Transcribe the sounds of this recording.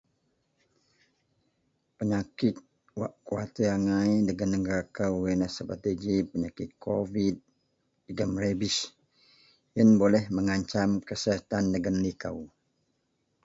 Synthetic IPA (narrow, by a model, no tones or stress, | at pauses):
pəɲakɪt̪̚ | waʔkuat̪iaŋajdəɡanːəŋɡaakawenast̪at̪eɡipəɲakɪt̪̚kʰovid̪̚ | iɡəmrebis | jənbolɛhməŋaɲt͡ʃamkəsiɦat̪andəɡanlikaw